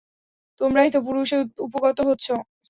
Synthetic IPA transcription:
t̪omɾaɦit̪opuɾuʃeupoɡɔt̪oɦotːɕʰo

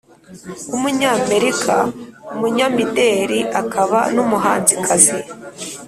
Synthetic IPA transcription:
umuɲaːme̞ɾikʰa̰umuɲamideɾiʔakʰaβa̰numuɦaːnzikʰaze

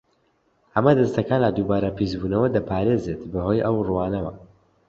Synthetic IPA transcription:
ʔɐmɐd̪ɐst̪ɐkaːnlad̪uːbaːɾɐpisbuːnɐwɐd̪ɐpʰaːɾeːzet̪bɐhojʔɐwruwaːnɐwɐ̰

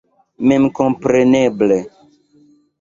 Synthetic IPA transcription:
memkõmpɾeneble

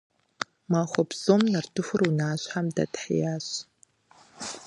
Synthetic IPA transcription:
maːχʷɔbz̥omnɐrtʰɨxʷʊrunaːɕħamdɐ̰tħḭjaːɕ

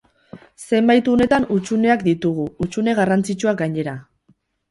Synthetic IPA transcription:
se̞mbajt̪uone̞t̪anut͡sune̞akd̪it̪uɣ̞uut͡sune̞ɣarant͡sit͡ʃuaɡaɲe̞ɾa

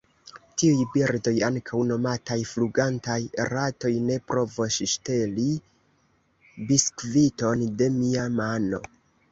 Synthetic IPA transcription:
tiujbiɾdo̞jaŋkʰawno̞matajfluɡantajɾato̞jne̞pɾo̞vosʃʃte̞li | biskvito̞nde̞miamano̞̰

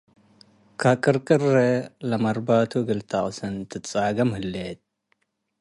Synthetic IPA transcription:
kʰakʼɨɾkʼɨrelɐmɐɾbaːt̪ʰuɡɨlt̪ʰaʔʼsɐnt̪ʰɨt͡sʼaːɡɐmhɨlːeːt̪̚

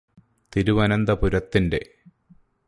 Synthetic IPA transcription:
t̪iɾuʋɐnɐnd̪ɐpuɾɐt̪ːinde̞̰

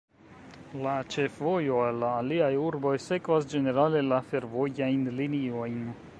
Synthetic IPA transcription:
lat͡ʃe̞fvo̞jo̞alːaːliajuɾbo̞jse̞kvasd͡ʒe̞ne̞ɾale̞lafe̞ɾvo̞jajnlinio̞jn

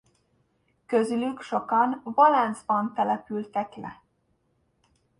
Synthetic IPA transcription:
køzylykʃo̞kɒnvolɛnzbɒnt̪ɛlɛpylt̪ɛklɛ̰

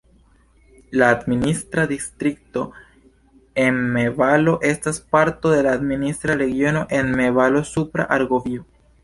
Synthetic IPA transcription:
laːd̪minist̪ɾad̪ist̪ɾik̚to̞ | e̞nmevalo̞ʔe̞staspaɾto̞de̞laːd̪minist̪ɾaɾe̞ɡjo̞no̞ʔe̞nmevalo̞supɾa̰ʔaɾɡovio

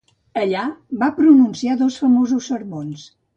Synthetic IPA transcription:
əʎaβapɾununsiaðɔsfəmozusːəɾβons

